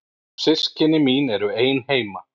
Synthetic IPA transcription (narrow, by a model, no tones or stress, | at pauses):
sɪscɪnɪminɛɾʏeːjnheːjma